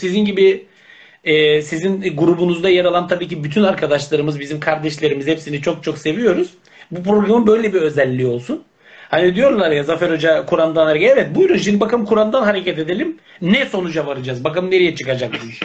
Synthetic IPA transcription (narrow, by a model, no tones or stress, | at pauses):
sizinɟibi | ɛːsizinɡuɾubunuzd̪ajaɾalˠant̪ʰabiːcibyt̪ʰynaɾkʰad̪aʃlˠaɾɯmɯzbizimkʰaɾd̪ɛʃlʲe̞ɾimizhepsinizt͡ʃʰo̞k̚t͡ʃʰo̞kse̞vijo̞ɾuz̥ | bupɾo̞ɡɾamɯbøjlʲebiɾø̞zælʲːio̞lˠsun | hanid̪ijo̞ɾlˠaɾjazafɛɾo̞d͡ʒakʰuɾand̪anaɾɡaevɛt̪̚bujɾunʃind̪ibakamkʰuɾand̪anɦaɾe̞cʰɛt̪e̞d̪e̞lʲim | nɛso̞nud͡ʒavaɾad͡ʒaːzbakamne̞ɾijɛt͡ʃʰɯkad͡ʒak̚d̪uʃ